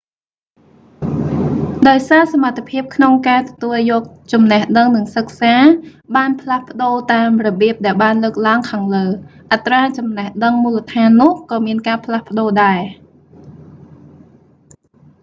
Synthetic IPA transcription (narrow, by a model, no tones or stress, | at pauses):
ɗaɔjsaːsamat̪ʰːepʰiəp̚kʰnoŋkaːt̪ɔt̪uəljɔːk̚t͡ɕɑmnəhɗəŋnɨŋsək̚saːɓaːnpʰlahpə̆ɗoːt̪aːmrɔɓiəp̚ɗaɛlɓaːnləːk̚laəŋkʰaːŋləːʔat̪raːt͡ɕɑmnɛhɗəŋmuːlət̪ʰaːnːʊ̆əhkɑːmiənkaːpʰlahpə̆ɗoːɗaɛ